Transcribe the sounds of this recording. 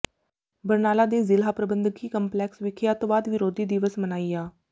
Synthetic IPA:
bəɾnaːlaːd̪eːzɪlɦaːpɾəbənd̪ɡiːkəmplɛːksʋɪkʰjaːt̪õːʋaːd̪ʋɪɾoːd̪iːd̪ɪʋəsmənaːijaː

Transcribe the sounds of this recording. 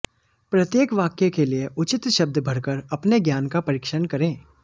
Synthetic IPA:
pɾɐt̪jeːkʋaːkjekelieʔʊt͡ʃɪt̪ʃɐb̚d̪bʱɐɽkəɾɐpneɡjaːnkapɐɾɪːkʃənkɐɾẽː

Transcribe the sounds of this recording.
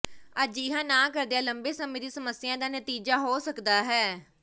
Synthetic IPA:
əd͡ʒiɦãːnãːkəɾd̪ejaːləmbeːsəmẽːd̪iːsəməsːɪjãːd̪aːnət̪iːd͡ʒaːɦoːsəkd̪aːɦɛː

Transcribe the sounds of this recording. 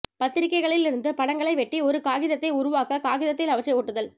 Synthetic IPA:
pɐt̪ːɪɾɪkːɐɪɣɐɭɪlɪɾɯnd̪ɯpɐɳɐŋɡɐɭɐɪʋɛʈːiɔɾɯkaːɣɪðɐt̪ːɐɪʊɾʊʋaːkɐkaːɣɪðɐt̪ːɪlɐʋɐt͡ʃːɐɪoːʈːɯðɐl

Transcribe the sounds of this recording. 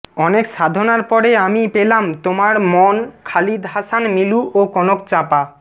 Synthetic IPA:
ɔnekʃad̪ʱonaɾpɔɾeamipelamt̪omaɾmoɔnkʰalid̪ʱɦaʃanmiluʔokɔnokt͡ɕapa

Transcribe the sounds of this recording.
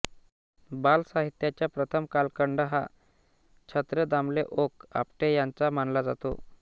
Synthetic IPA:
balsaɦit̪jat͡ɕjapɾət̪ʰəmkalkəɳɖəɦa̰ | t͡ɕʰət̪ɾəd̪amleʔoka̰pʈejant͡samanlad͡zat̪o̰

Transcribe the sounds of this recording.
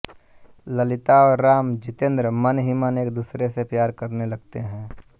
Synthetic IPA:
lɐlɪt̪aɔːɾːaːmd͡ʒɪt̪ẽːnd̪ɾəmɐnɦiməneːk̚d̪uːsɾesepjaːɾkɐɾnelɐɡt̪eɦɛ̃ː

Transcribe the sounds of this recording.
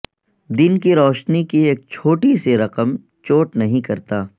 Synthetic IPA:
d̪ɪnkiɾɔːʃnikieːk̚t͡ʃʰoːʈiseɾɐqəm | t͡ʃoːʈnɐɦĩkɐɾt̪aː

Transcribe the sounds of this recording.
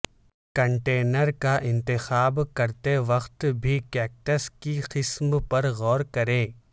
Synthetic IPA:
kɐ̃ɳʈeːnəɾkaʔɪ̃nt̪ɪxaːbkɐɾt̪eʋɐxt̪bʱikɛːk̚ʈəskiqɪsmpɐɾɣɔːɾkɐɾẽː

